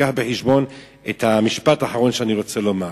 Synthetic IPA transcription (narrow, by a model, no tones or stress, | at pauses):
aħbeħiʃbo̞n | ethamiʃpataːħaʁo̞nʃeaniʁo̞t͡seloma